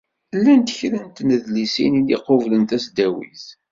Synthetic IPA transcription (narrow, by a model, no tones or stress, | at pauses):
lːænt̪əçɾənt̪nəðlisḭniliqovlənt̪æsd̪æwḭθ